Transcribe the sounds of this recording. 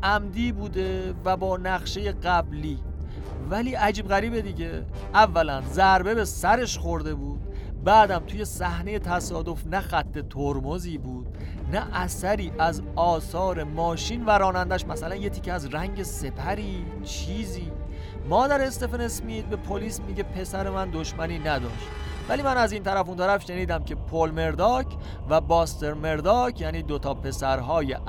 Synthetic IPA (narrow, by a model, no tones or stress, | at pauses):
ʔæmd̪iːbuːd̪e̞væbɒːnæɣʃe̞je̞ɢæbliː | væliːʔæd͡ʒiːbɣæɾiːbe̞d̪iɟe̞ | ʔævːælænzæɾbe̞be̞sæɾe̞ʃxo̞ɾd̪e̞buːd̪̥̚ | bæːd̪æmt̪ʰuje̞sæhne̞je̞t̪ʰæsɒːd̪o̞fnæxæt̪ʰːe̞t̪ʰoɾmoziːbuːd̪̥ | næʔæsæɾiːʔæzɒːsɒːɾe̞mɒːʃiːnvæɾɒːnænd̪æʃmæsælænjecʰiːcʰeæzræŋɟe̞se̞pʰæɾiː | t͡ʃʰiːziː | mɒːd̪æɾest̪e̞fenesmiːd̪̚be̞pʰo̞liːsmiɟe̞pʰe̞sæɾe̞mænd̪o̞ʃmæniːnæd̪ɒ̰ːʃt̪ | væliːmænæziːnt̪ʰæɾæfunt̪ʰæɾæfʃe̞niːd̪æmcʰe̞pʰolme̞ɾd̪ɒːkʰ | væbɒːst̪e̞ɾme̞ɾd̪ɒːcʰjæːniːd̪ot̪ʰɒːpʰe̞sæɾɦɒːje